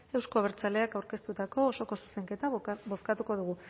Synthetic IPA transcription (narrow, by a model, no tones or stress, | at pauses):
e̞wsko̞βeɾt͡sale̞akawɾke̞st̪ut̪ako̞ːso̞ko̞su̥se̞ŋke̞t̪aβo̞skat̪uko̞ð̞uɣu